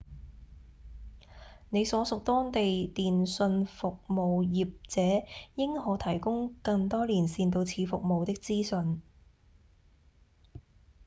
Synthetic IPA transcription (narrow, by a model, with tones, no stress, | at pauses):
ne˨˧jsɔː˨˥sʊ˨k̚t̪ɔː˥ŋt̪e˨jt̪iː˨nsɵ˧nfʊ˨k̚mo˨wjiː˨p̚t͡sɛː˨˥jɪ˥ŋhɔː˨˥t̪ʰɐ˨˩jkʊ˥ŋkɐ˧ŋt̪ɔː˥liː˨˩nsiː˧nt̪o˧wt͡sʰiː˨˧fʊ˨k̚mo˨wt̪ɪ˥k̚t͡siː˥sɵ˨˧n